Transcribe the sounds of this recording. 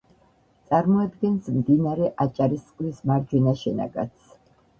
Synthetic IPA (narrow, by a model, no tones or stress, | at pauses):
t̪sʼaɾmɔad̪ɡɛnsmd̪inaɾɛʔat͡ʃʼaɾist̪sʼqʼlismaɾd͡ʒwɛnaʃɛna̰ɡa̰t̪sʰ